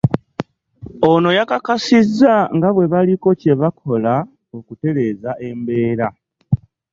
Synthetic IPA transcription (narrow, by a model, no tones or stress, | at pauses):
o̞no̞jakakasizːaŋɡaβwe̞βaliko̞ce̞βakʰo̞la | okute̞ɾe̞ːzaʔe̞mbe̞ːɾa